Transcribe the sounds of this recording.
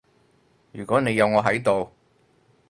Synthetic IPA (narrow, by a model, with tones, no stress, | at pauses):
jyː˨˩kɔː˨˥ne˨˧jɐ˨˧wŋɔː˨˧ɦɐ˨˥jt̪o˨w